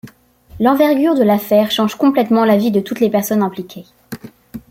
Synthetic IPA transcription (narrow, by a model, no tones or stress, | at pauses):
lɑ̃vɛʁɡʲyʁd̪əlafɛʁʃɑ̃ʒkɔ̃plɛt̪mɑ̃lavid̪ət̪ut̪lepɛʁsɔnɛ̃plikʲʰe